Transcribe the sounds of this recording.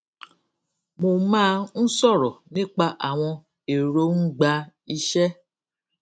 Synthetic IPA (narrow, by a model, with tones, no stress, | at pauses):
mo˧mãː˦n̩˦sɔ˦˨ɾɔ˨nĩ˦k͡pa˦˧ʔa˨w̃ɔ̃˧ | e˨ɾo˨˦n̩˦ɡ͡ba˧i˧ʃɛ˦